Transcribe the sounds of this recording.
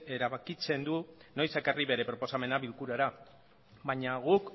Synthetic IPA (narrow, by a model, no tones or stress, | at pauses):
e̞ɾaβakit͡se̞nd̪uno̞jsekariβe̞ɾe̞pɾo̞po̞same̞naβilkuɾaɾa | baɲaɣuk